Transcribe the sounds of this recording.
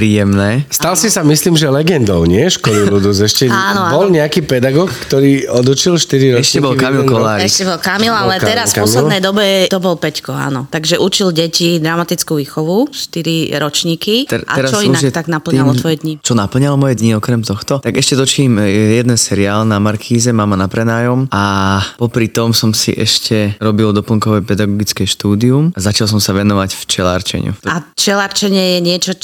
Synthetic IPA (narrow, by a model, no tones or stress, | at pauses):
pɾiːjɛmnɛːst̪alsisamisliːmʒɛlɛɡɛnd̪ɔʊɲɪɛʃkɔlilud̪uzɛʃcɛanɔabɔlɲɛakiːpɛd̪aɡɔːkkt̪ɔɾiːɔd̪ut͡ʃilʃt̪iɾiɾɔɛʃcɛbɔlkamilkɔlaːɾiɛʃcɛbɔlkamilalɛɛɾasfaɔmsilɛdnɛjd̪ɔbɛt̪ɔbɔlpɛckɔa̰nɔt̪aɡʒɛʔut͡ʃilɟɛcid̪ɾamat̪it͡skuʋiːxɔʋuʃt̪iɾiɾɔt͡ʃɲiːkit̪ɛʔa̰ɛɾat͡ʃɔiunaʒɛt̪aɡnapl̩ɲalɔʋɔjɛd̪ɲit͡ʃɔnapl̩ɲalɔmɔjɛd̪ɲiɔkɾɛmt̪ɔxt̪ɔt̪aɡɛʃcɛt̪ɔt͡ʃimjɛd̪ɛnsɛɾiaːlnamaɾkʰiːzɛmamanapɾɛnaːjɔmapɔpɾit̪ɔmsɔmsḭʔɛʃcɛɾɔbild̪ɔpl̩ŋkɔʋɛpɛd̪aɡɔɡit͡skɛʃt̪uːd̪iumazat͡ʃals̬ɔmsaʋɛnɔʋacft͡ʃɛla̰ɾt͡ʃɛ̰ɲ̰ṵat͡ʃɛlaɾt͡ʃɛɲɪɛjɛɲɪɛt͡ʃɔ